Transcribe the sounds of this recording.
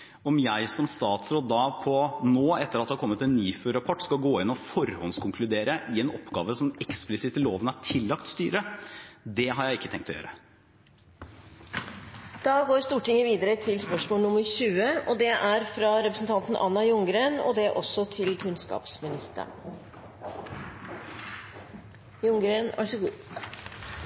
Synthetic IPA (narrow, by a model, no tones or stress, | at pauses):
ɔmjæɪsɔmst̪ɑːt̪sɾoːd̪ːɑpʰɔnoːɛt̪ːəɾɑt̪d̪ɛhɑɾkɔmːət̪ɛnːyːføːɾɑpʰɔʈːskɑlɡoːɪnːɔfɔɾhɔnskʰʊŋkʰlʉd̪eːɾəʔɪɛnɔpːɡɑ̰ːʋəsɔmɛksplɪsɪt̪əloːʋənæʈʰɪlːɑkt̪st̪yːɾəd̪ɛɦɑɾjæɪɪkːət̪ɛŋkt̪ɔjø̰ːɾə | d̪̥ɑːɡoːɾst̪uːʈɪŋəʋiːd̪əɾət̪ʰɪlspœʂmoːlnʊmːəɾɕʉːəʔɔd̪ɛʔæɾfɾɑɾɛpɾəsn̩t̪ʰɑnt̪n̩ʔɑ̰nːɑjʊŋɡɾeːnɔ̰d̪ɛʔɔsːɔt̪ʰɪlkʰʉnskɑ̰ːpsmɪnɪst̪ə̰ɳ | jʊŋɡɾenæ̰ʂɔɡuː